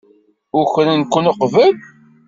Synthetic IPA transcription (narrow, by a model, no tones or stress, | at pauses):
ʊçɾənkʷːənəqvəl